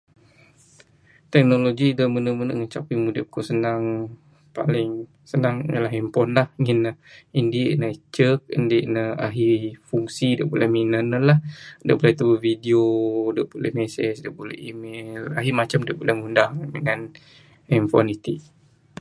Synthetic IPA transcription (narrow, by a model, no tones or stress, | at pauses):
t̪ɛk̚noloɡidəmənəmənə̰ʔŋət͡ʃapimudəʔbukoʔsənaŋ | pa̰lɪŋ | sənaŋjəlaɦimpɔnlahŋinːəindiʔnat͡ʃək̚əndiʔnəa̰ɦifuŋsidə̰ʔbolɛhminənəlahdəʔbolɛht̪əbəvidiodəʔbolɛhmɛsɛsdəʔbolɛ̰himɛlaɦimat͡ʃamdəʔbolɛhŋundahiŋan | imfɔ̰nit̪iʔ